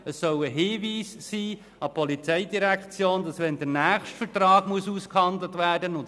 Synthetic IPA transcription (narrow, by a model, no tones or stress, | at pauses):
əsːœwəɦɪːviːsːiː | ɑpʰɔlit͡sɛɪdiɾækt͡sjoːndɑsʋɛndənæːχʃtfəɾtrɑːɡ̥muəsuːskhɑndlətvæːɾdənʊnt